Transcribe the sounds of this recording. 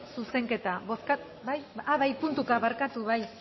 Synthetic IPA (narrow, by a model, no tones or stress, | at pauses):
suse̞ŋke̞t̪aβoska | bajaβajpunt̪ukaβaɾkat̪uβaj